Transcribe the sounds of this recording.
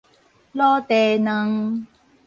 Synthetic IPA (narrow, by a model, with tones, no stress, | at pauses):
lɔː˦t̪ɛː˨˩nə˧ŋ